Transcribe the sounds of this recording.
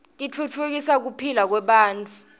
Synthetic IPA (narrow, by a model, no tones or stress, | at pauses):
tʼit͡fʰut͡fʰuk̬isak̬upʰilak̬wɛɓaːntʰʼu